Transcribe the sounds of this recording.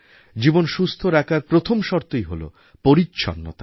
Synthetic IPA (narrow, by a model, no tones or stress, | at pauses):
d͡ʑibonʃust̪ʰoɾakʰaɾpɾot̪ʰomʃɔɾt̪ojɦolo̰ | poɾitːɕʰɔ̰nːo̰t̪a